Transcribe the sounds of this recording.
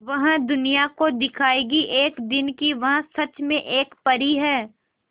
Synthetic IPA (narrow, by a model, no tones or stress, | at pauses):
ʋɐɦãd̪ʊnijakod̪ɪkʰaːeɡiʔeːkd̪ɪnkiʋɐɦãsɐt͡ʃmẽʔeːkpɐɾiɦɛː